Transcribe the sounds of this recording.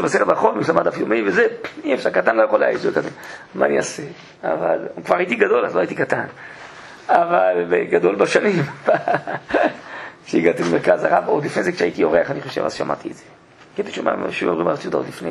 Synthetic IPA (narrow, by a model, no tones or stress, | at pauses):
ebaseʁebaχolmjeʃlamad̪afjomivezeiefʃaʁkat̪anlojaχoleajioekat̪anmaːniase | a̰va̰lkvaʁait̪iɡado̞la̰zloait̪ikat̪an | avalbḛɡad̪o̞lbaʃanimba | ʃeiɡat̪ilemeʁkazaʁabod̪lifnejzekʃeait̪ijoʁeaχaniχo̞ʃe̞̰va̰zʃa̰mʔa̰t̪iedze | ɡat̪iʃoma̰ʃeo̰mʁima̰tiod̪aod̪lifne